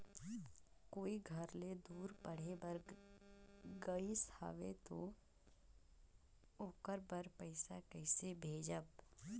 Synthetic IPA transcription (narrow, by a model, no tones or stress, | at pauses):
koːiɡʱɐɾled̪uːɾpɐɽ̤ebəɾ | ɡəisa̰ːʋet̪o | oːkəɾbəɾpəɪsakɛɪsebʱeːd͡ʒəb̚